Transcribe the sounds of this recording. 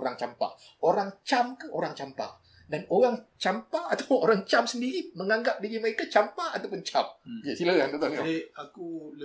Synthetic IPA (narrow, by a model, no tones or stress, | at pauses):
ɾaŋt͡ʃampa̰ | oɾaŋt͡ʃamkaʔoɾaŋt͡ʃampa̰ | danoɣaŋt͡ʃampaːt̪apʊŋoɾaŋt͡ʃamsəndiɾiməŋaŋɡap̚diɣiməɾekat͡ʃampaːt̪awpʊnt͡ʃamkesiləjand̪ot̪aŋaiakul